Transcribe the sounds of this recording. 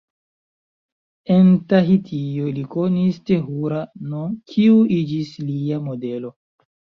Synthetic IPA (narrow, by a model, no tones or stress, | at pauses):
entaɦitʰijoliko̞nisteɦuɾanokʰiuid͡ʒisliamo̞de̞lo̞